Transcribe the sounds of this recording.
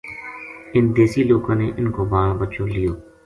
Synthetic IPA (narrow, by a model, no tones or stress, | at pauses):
ɪnd̪eːsiloːkãːneʔɪnkobaːɾ̃bət͡ʃõːlijoː